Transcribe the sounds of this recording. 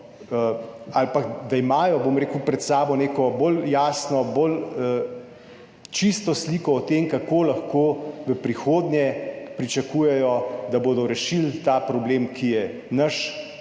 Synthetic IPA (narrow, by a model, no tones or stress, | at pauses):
alpakd̪aimaːjɔbomɾeːkupɾɛt̪saːbɔneːkɔboljaːsnɔbol | t͡ʃist̪ɔsliːkɔɔt̪emkakoːlaxkoːʋəpɾixoːd̪nʲjɛpɾit͡ʃɐkuːjɛjɔd̪aboːd̪ɔɾɛʃilt̪aːpɾɔbleːmkijɛ | nɐʃ